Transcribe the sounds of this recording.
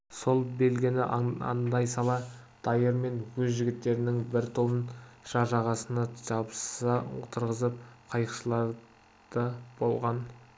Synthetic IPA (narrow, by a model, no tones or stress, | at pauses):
so̞lˠbe̞lɡʲɪnɪɑ̰nd̪ɑjsɑlˠɑ | d̪̥ɑjəɾme̞nwɵzʒɪɡʲɪt̪ːe̞ɾɪnɪŋbɪɾt̪ʰoənʒ̥ɑʒɑʁɑsənɑʒɑbsət̪ʰəɾʁəzəp̚qʰɑjəqʃəlˠɑɾ | d̪̥əb̥o̞lˠʁɑn